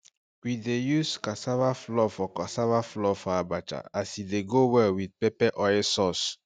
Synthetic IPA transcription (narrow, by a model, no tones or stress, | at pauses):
widejuskasavaflɔfɔkasavaflɔfɔabat͡ʃa̰asideɡowɛwid̚pɛpɛʔɔɛsɔs